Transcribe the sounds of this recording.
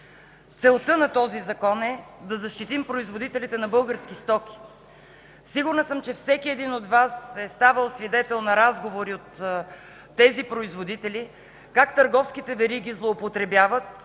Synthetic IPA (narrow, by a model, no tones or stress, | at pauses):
t̪sɛlˠt̪ɤnɐt̪ɔzizɐkɔnɛd̪ɐzɐʃt̪it̪impɾoizvod̪it̪ɛlʲit̪ɛnɐbɤlˠɡəɾskist̪ɔki̥ | siɡuɾnəsɤmt͡ʃɛfsɛkʲiɛd̪inot̪vasɛst̪avəlˠsvid̪ɛt̪ɛlˠnɐɾazɡovoɾiot̪ː | ɛzipɾoizvod̪it̪ɛli | kakt̪əɾɡɔfskit̪ɛvɛɾiɡʲizlˠoːpot̪ɾɛbjavət̪̚